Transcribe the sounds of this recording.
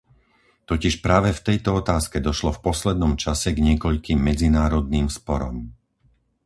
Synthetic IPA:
t̪ɔciʃpɾaːʋɛft̪ɛjt̪ɔɔt̪aːskɛd̪ɔʃlɔfpɔslɛd̪nɔmt͡ʃasɛɡɲɪɛkɔʎkiːmːɛd͡zinaːɾɔd̪niːmspɔɾɔm

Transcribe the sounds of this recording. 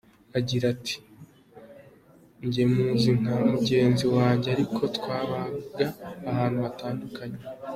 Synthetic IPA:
aɟiɾatʰi̥ | ɲɟe̞muziŋ̥amuɟe̞ːnziwaːɲɟeaɾikʰo̞tkwaːβaɡaːhaːn̥huβataːndukaɲe

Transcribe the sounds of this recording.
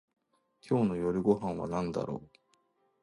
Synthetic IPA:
kʲʰo̞ːno̞jo̞ɾʲiɡo̞ɦãɰ̃βa̰nãnd̪a̰ɾo̰ː

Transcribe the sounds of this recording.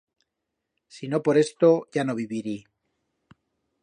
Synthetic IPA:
sino̞po̞ɾe̞st̪o̞ʝano̞β̞iβiɾi

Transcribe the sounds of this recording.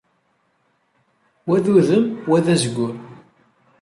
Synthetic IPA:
wæðuðəmwæðæzɡʷːʊɾ

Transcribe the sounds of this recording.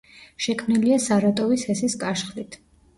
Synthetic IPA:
ʃɛkʰmniliasaɾat̪ʼɔvishɛsiskʼaʃχlit̪ʰ

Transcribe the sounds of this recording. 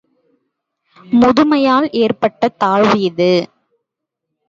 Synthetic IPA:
mʊðʊmɐjaːlʔeːrpɐʈːɐt̪aːɻʋiːðɯ

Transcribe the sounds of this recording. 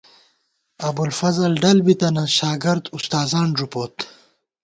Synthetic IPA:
ɐbulfɐzɐlɖɐlbit̪ɐnɐ̃ɕaːɡɪɾd̪ust̪aːzaːɳʐupoːt̪

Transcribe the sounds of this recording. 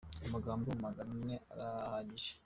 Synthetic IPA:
amaɡaːmboumaɡaɾaneʔaɾahaɟiʒe̥

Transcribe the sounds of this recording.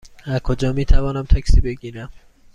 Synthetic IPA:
æɾkʰod͡ʒɒːmiːt̪ʰævɒːnæmt̪ʰæksiːbe̞ɡiːɾæm

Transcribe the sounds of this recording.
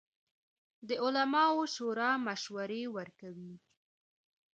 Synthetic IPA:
d̪əʊlamɑoʃoɾɑmaʃwaɾewəɾkawi

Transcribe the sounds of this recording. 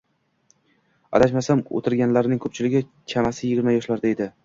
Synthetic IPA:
a̰laʃmasamo̰t̪ʰɪɾɡʲanlaɾnɪŋʲkʰɵ̥p̚t͡ʃʰɪlɪɡʲɪkʲʰamasɪjɪɡʲɪɾmajɒʃlaɾd̪aed̪ɪ

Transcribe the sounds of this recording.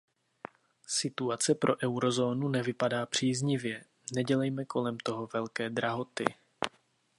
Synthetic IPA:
sɪt̪uat͡sɛpɾʔo̞ʔɛwɾo̞zo̞ːnunɛvɪpadaːpr̝̥iːzɲɪvjɛ | nɛɟɛlɛjmɛko̞lɛmt̪o̞ɦo̞vɛlkɛːd̪ɾaɦo̞t̪ɪ̰

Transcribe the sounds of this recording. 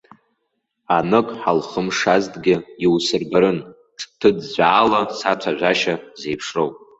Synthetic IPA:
anɨkʼħalχəmʂazdʼɡʲɪiwsɨrbaɾɨn | ʈ͡ʂʰtʰɨdzʷaːlasat͡sʷʰaʒʷaʃaze̞jpʰʂrowpʼ

